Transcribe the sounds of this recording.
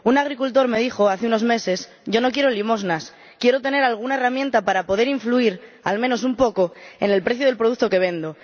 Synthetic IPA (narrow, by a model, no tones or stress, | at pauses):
unaɣ̞ɾikult̪o̞ɾme̞ð̞ixo̞aθeuno̞zme̞se̞s | ɟ͡ʝo̞no̞k̬je̞ɾolimo̞znas | kjeɾot̪e̞ne̞ɾalɣ̞unaeramjẽnt̪apaɾapo̞ðe̞ɾiɱfluiɾ | almẽno̞s̬umpo̞ko̞e̞ne̞lpɾeθjoð̞e̞lpɾoð̞uk̪̚t̪o̞ke̞β̞e̞nd̪o